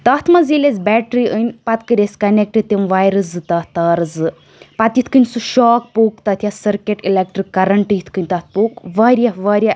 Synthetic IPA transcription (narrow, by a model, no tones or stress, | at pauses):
t̪ɐt̪ʰmɐziːlʲezbʲɛːʈɾiʔɨnʲpɐt̪kɨɾʲeskɐnek̚ʈɨɖ̚t̪imʋaːjɾɨsɨt̪ɐt̪ɐːɾɨzɨ | pɐt̪it̪ʰkɨnʲsuʃɔːk̚poːkt̪ɐt̪ʰʲjɐsɐɾkʲeʈilek̚ʈɾɨkːɐɾɐɳʈɨjit̪ʰkɨnʲt̪ɐt̪̚ʰpoːkʋɐɾʲjɐʋɐɾʲja